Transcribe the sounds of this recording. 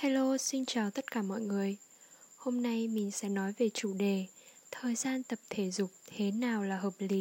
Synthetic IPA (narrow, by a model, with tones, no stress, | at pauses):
ha˧jlo˧si˧ŋt͡ɕaː˨˩wt̪ə˦˥t̚kaː˧˩mɔ̰˧˨jŋɨ˨˩əj | ho˧mna˧jmï˨˩ŋ̟sɛ̰˧˥nɔ˨˦jve˨˩t͡ɕu˧˩ɗe˨˩ | t̪ʰəː˨˩jzaː˧nt̪ə˨˩p̚t̪ʰe˧˩zʊ˨˩k͡p̚t̪ʰe˨˦naː˨˩wlaː˨˩ɦəː˨˩p̚li˨˦